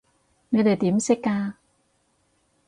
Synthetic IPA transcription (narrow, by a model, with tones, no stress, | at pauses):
ne˨˧jt̪e˨jt̪iː˨˥msɪ˥kːaː˧